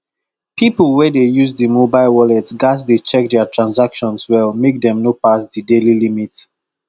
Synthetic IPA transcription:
pʰipəl̩ˠwɛdejuzdəmobaɪlwɔlɛtsɡas̬det͡ʃɛk̚dɛtʰɹãnsakʃɔ̃nswɛlmek̚d̪ɛ̃mnopasdədelilimit

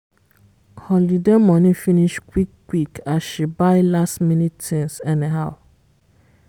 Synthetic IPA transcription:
hɔlidemɔ̃nĩfiniʃkwikːwikasʃibaɪlastmĩnittĩnsɛnĩɦaʊ

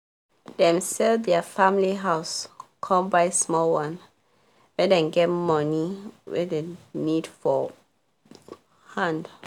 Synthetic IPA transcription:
d̥ɛ̃msɛldɛfãmliɦaʊskʰɔ̃mbaɪsmɔlwãn | wɛdɛ̃nɡɛtmɔniwɛ̰denidfɔ | hãnd

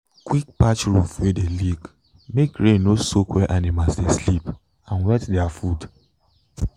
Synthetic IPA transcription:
kwik̚pat͡ʃɹufwedelik | mekɹẽnosokwɛʔãnemasdeslip | ãnwɛtdɛafud

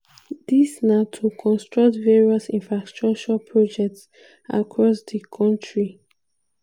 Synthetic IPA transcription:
d̪isnatʰukʰɔ̃nstɹʌk̚tvɛɹiɔsĩnfɹastɹɔk̚t͡ʃɔpʰɹɔd͡ʒɛk̚ts | a̰kʰɹɔsdəkʰɔ̃ntʰɹi

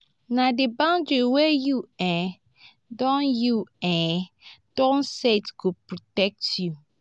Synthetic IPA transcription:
nãdebãʊ̃ndiwɛjua | dɔ̃njuɛ | d̥ɔ̃nsetkupɹɔtɛk̚tʰju

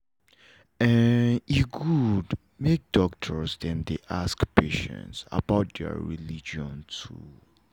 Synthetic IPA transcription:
ɛniɡud | mek̚dɔktʰə˞sdɛ̃mdeʔaskpʰeʃɛ̰̃ntsa̰baʊt̚dɛ̰ɹḭlid͡ʒɔ̃ntʰu

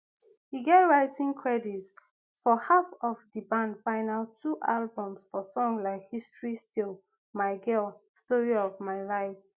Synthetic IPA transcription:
hiɡɛtɹaɪtĩŋkʰɹɛdits | fɔhafɔvdibãndbãɪ̃naltʰːuʔalbɔ̃msfɔsɔ̃ŋlaɪkhistɹistil | maɪɡɛstɔɹiɔvmaɪlaɪf

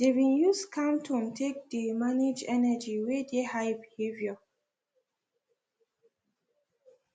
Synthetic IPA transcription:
dewĩnjuskʰãmtʰɔ̃mtʰek̚demaned͡ʒɛnɛd͡ʒiwedehajbihevjɔ

